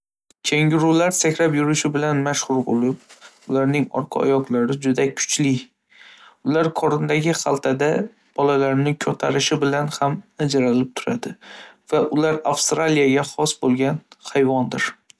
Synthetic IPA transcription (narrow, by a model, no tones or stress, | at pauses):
kʲʰeŋʲɪɾʊlaɾsakʲʰlapjʊɾɪʃɪbɪlanmaʃχʊɾbolɪp̚ʊlaɾnɪŋɒ̰ɾqʰɑ̰ɒ̰jɒqlˠaɾɪd͡ʒʊd̪akʰʊ̥t͡ʃʰlɪ | ʊlaɾkʰɒɾɪnd̪aɡʲɪχalˠt̪ʰad̪a | b̥ɒlalaɾnɪkʲʰɵt̪ʰaɾɪʃɪbɪlanhamad͡ʒaɾalɪp̚t̪ʰʊ̥ɾad̪ɪv̥aʔʊlaɾafst̪ɾalijaɡʲaχɒsbolˠɡʲanhajvɒnd̪ɪɾ